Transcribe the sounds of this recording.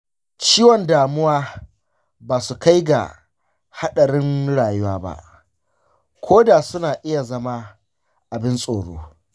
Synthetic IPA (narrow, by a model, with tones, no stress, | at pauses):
t͡ʃiː˦wɔ˨ndaː˨mʊ˦waː˦ | baː˨su˨ka˦jɡa̰˨ | ha˦ɗɐ˨ɾɪ˦nɽaː˨jʊ˦waː˦ba̰˦ʔ | kʷʰoː˦da˨sʊ˦naː˨ʔɪ˦ja˨zɐ˦ma˦ | ʔa˨bɪ˦nsʼoː˨ɽo̰ː˦